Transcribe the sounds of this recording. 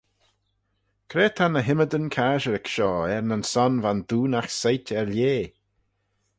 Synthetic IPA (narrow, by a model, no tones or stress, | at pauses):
kʰɾeːt̪ʰanəɦɪməd̪ənkʰaːʒəɾɛkʃɔːɛɹnənsɔnvand̪uːnaxsajtɛɹljeː